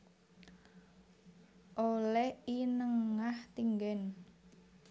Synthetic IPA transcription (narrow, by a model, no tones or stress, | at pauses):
ʔolɛhinəŋaht̪iŋɡɛn